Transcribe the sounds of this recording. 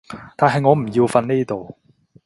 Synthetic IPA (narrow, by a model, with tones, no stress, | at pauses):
t̪aː˨nɦɐ˨jŋɔː˨˧m̩˨˩ji˧wfɐ˧nneː˥˩t̪o˨w